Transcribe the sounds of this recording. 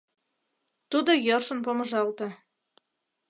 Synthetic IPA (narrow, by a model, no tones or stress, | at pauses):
t̪ud̪ojorʃə̆npomə̆ʒɑlt̪ɤ